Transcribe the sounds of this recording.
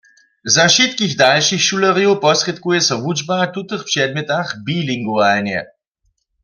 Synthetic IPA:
zaʃit̪kiɣd̪alʃixʃulaɾjiwpɔsrɛt̪kujɛsɔvud͡ʒbat̪ut̪əxpʃɛd̪̚mɛt̪axbiliŋɡuvanjɛ̰

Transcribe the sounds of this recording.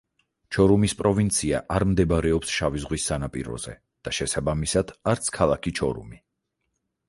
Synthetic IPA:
t͡ʃʰɔɾumispʼɾɔvint̪sʰia̰ʔaɾmd̪ɛbaɾɛɔpsʃavizʁwisːanapʼḭɾɔ̰z̥ɛ̰ | d̪̥aʃɛsabamisad̪̥aɾt̪sʰkʰalˠakʰit͡ʃʰɔɾṵmi

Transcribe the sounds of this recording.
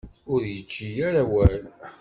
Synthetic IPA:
ʊɾjət͡ʃːijæɾawæl

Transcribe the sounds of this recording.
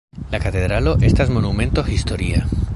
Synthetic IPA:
lakat̪eðɾaloʔest̪azmonumẽ̞nt̪oxist̪oɾia

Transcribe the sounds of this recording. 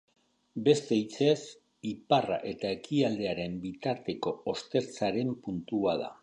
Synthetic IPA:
be̞st̪e̞it͡se̞s | ipara̰ʔe̞t̪ae̞kʰiald̪e̞aɾe̞mbit̪aɾt̪e̞ko̞ost̪e̞ɾt͡saɾe̞mpunt̪uaða̰

